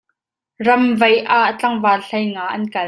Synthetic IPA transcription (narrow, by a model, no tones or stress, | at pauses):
rɐmvɐjʔaʔt͡ɬɐŋvaːɬɐjŋaːʔɐnkɐl